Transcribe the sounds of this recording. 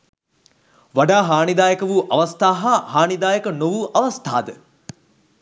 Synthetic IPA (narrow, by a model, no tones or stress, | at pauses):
ʋaɖaːɦaːnid̪aːjəkəʋuʔɐʋɐst̪aːɦɐhaːnid̪aːjəkənoʋuʔɐʋɐst̪ʰa̰ːd̪ə